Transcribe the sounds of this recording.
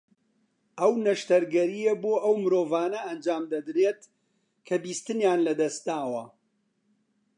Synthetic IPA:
ʔɐwnɐʃt̪ɐɾɡɐɾijeboːʔɐwmɨɾoːvaːnɐɐnd͡ʒaːmd̪ɐd̪ɾeːt̪ | kʰɐbiːst̪ɨnjaːnlɐd̪ɐst̪̚d̪aːwɐ

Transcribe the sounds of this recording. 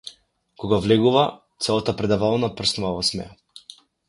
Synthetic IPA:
kɔɡavlɛɡuva | t̪sɛlˠat̪apɾɛd̪avalˠnapr̩snavɔsmɛ̰a

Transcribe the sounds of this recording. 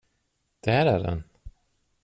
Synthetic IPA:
d̪̥æɾæɖɛ̰n

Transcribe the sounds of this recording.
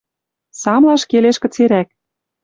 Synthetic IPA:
sɑmlɑʃkeleʃkə̆t͡seɾæk̚

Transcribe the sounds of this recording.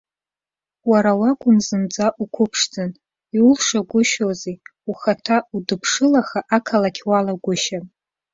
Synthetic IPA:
waɾawakʷʼʊnzɨmd͡zaʔukʷʰʊpʰʂd͡zɨn | iʊlʂaɡʷʊʃozeuχatʰaudɨpʰʂɨlaχaʔakʰalakʲʰwalaɡʷʊʃa

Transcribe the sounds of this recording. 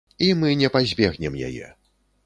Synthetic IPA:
imɨnʲɛpazʲbʲɛɣnʲɛmja̰jɛ̰

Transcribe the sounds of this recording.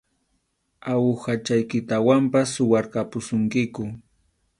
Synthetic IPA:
awʊxat͡ʃajkɪt̪awampasʊwaɾkapʊsʊŋkɪkʊ

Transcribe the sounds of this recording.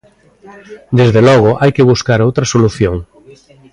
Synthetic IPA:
d̪ezðelɔɣ̞oʔajkeβ̞uskaɾowt̪ɾasoluθjõŋ

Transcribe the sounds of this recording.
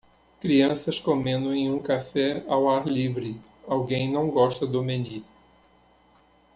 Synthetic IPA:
kɾiɐ̃sɐskomẽnd̪ʊẽj̃ũkafɛawaɾlivɾɪ | awɡẽj̃nɐ̃w̃ɡɔʃt̪ɐd̪omeni

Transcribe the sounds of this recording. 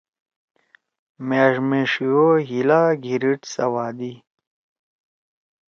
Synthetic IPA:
meːʐmeʂioɦilaːɡʱiɾiʈsɐwaːd̪i

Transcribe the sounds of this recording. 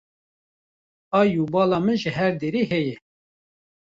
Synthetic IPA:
ɑːjuːbɑːlɑːmɨnʒəɦɛɾd̪eːɾiːɦɛjɛ

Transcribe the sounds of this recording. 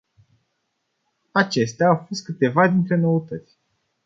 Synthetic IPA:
at͡ʃe̞st̪eaːwfo̞st̪̚kɨt̪e̞vad̪int̪ɾe̞no̞ət̪ət̪sʲ

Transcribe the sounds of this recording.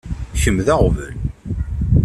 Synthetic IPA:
çəmðæʁvə̰l

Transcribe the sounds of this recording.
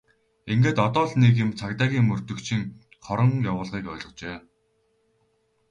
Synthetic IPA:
iŋɡeːt̪ɔt̪ɔːɮnek̬jɪ̆mt͡sʰakt̪aːɣʲiːŋmɵr̥t̪ɵ̆kt͡ɕʰiŋ | χɔɾɞ̆ŋjawʊːɮʁiːkœːɮɞ̆t͡ɕeː

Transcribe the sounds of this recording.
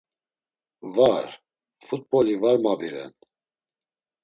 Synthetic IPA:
vaɾ | fut̪̚bɔlivaɾmabiɾɛ̰n

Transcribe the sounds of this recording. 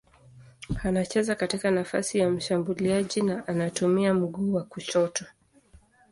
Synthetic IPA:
anat͡ʃɛzakatikanafa̰sijam̩ʃambuliaʄinaʔanatumiam̩ɡuːwakut͡ʃɔtɔ

